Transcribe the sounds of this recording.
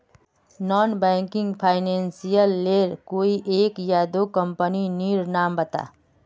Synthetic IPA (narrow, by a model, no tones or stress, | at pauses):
nɔnbɛŋkiŋɡpʰaɪnensijəlːeɾkoiʔekjad̪okəmpəniniɾnambət̪a̰